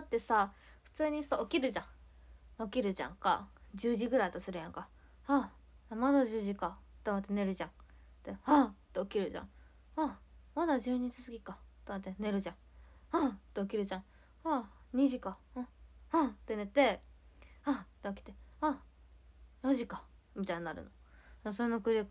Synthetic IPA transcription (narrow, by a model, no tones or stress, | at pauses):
at̪ːe̞sa | ɸɯ̟̥t͡sɨːɲ̟isao̞kʲiɾɯ̟ʑã | o̞kʲiɾɯ̟ʑã̰ŋka̰d͡ʑɨːʑiɡɯ̟ɾait̪o̞sɨɾɯ̟jãŋka | ha | mad̪aʑɨːʑikat̪ːemat̪ːene̞ɾɯ̟ʑãɴ | t̪eat̪ːeo̞kʲiɾɯ̟ʑã̰ | amad̪aʑɨːɲ̟it͡ɕi̥sɨɡʲikat̪oat̪̬ːene̞ɾɯ̟ʑãɴ | at̪ːeokʲiɾɯ̟d͡ʑã | aɲ̟iʑikã | at̪e̞ne̞t̪ːe̞ | at̪eakʲi̥t̪e̞a | jõʑikamʲit̪aininaɾɯ̟̰no̞ | asoɾenokɯɾʲek